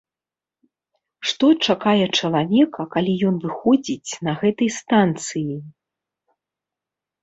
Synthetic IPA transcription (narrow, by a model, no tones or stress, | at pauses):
ʂt̪ɔt͡ʂakajɛt͡ʂɐlˠavʲɛkɐkalʲijɔn̪vɨxɔd͡zʲit͡sʲnɐɣɛt̪ɐjst̪ant̪sɨji